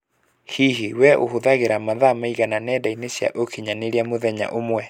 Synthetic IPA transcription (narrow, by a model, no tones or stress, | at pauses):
hiɦiwɛʔohoðaɣeɾamaðamaiɣananɛːdainesja̰ʔokiɲaneɾiamoðɛɲa̰ʔomwɛ